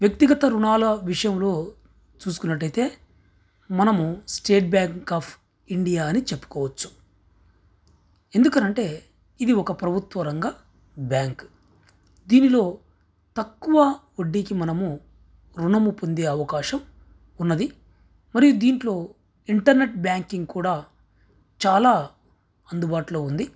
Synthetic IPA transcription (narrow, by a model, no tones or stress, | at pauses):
ʋjɐk̚t̪iɡɐt̪ɐɾuɳaːlɐʋiʂɐjɐmlo̞ː | t͡ʃuːsu̥kunːɐʈːɐjt̪e̞ː | mɐnɐmusʈeːʈ̚bjaːŋkːaːpʰ | iɳɖijaːɐnit͡ʃe̞pːu̥kɔːʋɐt͡ʃːu̥ | e̞nd̪ukɐnɐɳʈe̞ː | id̪iɔkɐpɾɐbʱut̪ʋɐɾɐŋɡaː | bjaːŋk | d̪iːnilo̞ː | t̪ɐkːuʋɐ | oɖːikimɐnɐmu | ɾuɳɐmupo̞nd̪e̞ːɐʋɐkaːʃɐm | unːɐd̪i | mɐɾijud̪iːɳʈlo̞ː | iɳʈɐɾne̞ʈ̚bjaːŋkiŋɡkuːɽaː | t͡ʃaːlaː | ɐnd̪ubaːʈloːund̪i